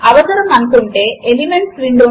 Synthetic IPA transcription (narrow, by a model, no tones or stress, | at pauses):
ɐʋɐt̪ɐɾɐmɐnkoɳʈeːlimeɳʈsʋiɳɖo